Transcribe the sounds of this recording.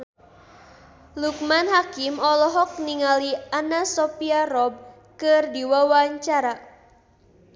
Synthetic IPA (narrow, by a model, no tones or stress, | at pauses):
luk̚manɦakimɔlɔɦɔk̚niŋalianasɔpiaɾɔb̚ | kɨrdiwawaɲt͡ʃaɾa